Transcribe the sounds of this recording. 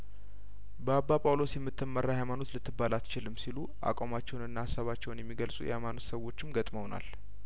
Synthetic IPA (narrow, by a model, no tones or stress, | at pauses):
bəabːapʼawlo̞sjɛmːɨt̪ʰːɨmːərːahajmano̞t̪lɨt̪ʰːɨbːalat̪t͡ʃɪlɨmːsilu | ʔa̰kʼamat͡ʃːɛwnɨnːahasːaβat͡ʃːɛwnjɛmːiɡəlsʼṵjɛ̰hajmano̞t̪səwo̞t͡ʃːɪmɡət̪ʼməwna̰l